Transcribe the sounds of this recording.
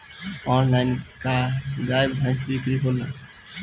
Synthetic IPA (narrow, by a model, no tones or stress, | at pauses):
ɔːnlaɪnkaɡaːɪbbʱãɪ̃sbikɾiɦʰola